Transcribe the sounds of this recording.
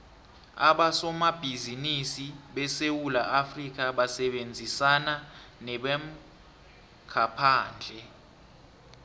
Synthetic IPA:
a̰ɓasɔmab̥ʱizinisiɓɛsewulaʔafrik̬ʼaɓasɛɓend͡zʱisananɛɓɛm̩ | kʰapʰaːnd͡ɮʱɛ

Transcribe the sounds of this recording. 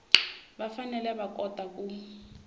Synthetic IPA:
bafanɛlɛbakʼɔtʼakʼuːi

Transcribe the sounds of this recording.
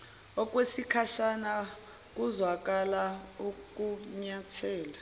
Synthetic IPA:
ɔk̬ʼwesikʰaʃana | k̬ʼuzwak̬ʼalauk̬ʼuɲatʰɛːla

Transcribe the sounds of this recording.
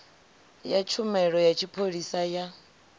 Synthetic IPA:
jat͡ʃʰumɛɺɔjat͡ʃʰipʰoɺisaja

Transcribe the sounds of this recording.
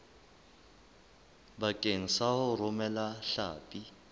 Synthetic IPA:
bakʼeŋ̩sahʊrʊmɛlaɬa̰ːpʼi

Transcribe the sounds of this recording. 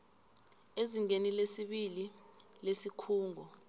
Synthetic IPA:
eziŋenilesiɓililesikʰuːŋʱɔ

